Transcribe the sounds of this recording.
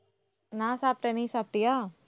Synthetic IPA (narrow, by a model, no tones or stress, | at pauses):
nãsaːpʈenĩsaːp̚ʈija